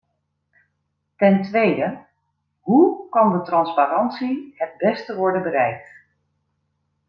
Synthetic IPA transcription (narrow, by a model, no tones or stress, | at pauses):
tɛntʋejdə | ɦukɑndətrɑnspaɾɑntsiɦəd̚bɛstəʋɔɹdənbəɾɛjk̚t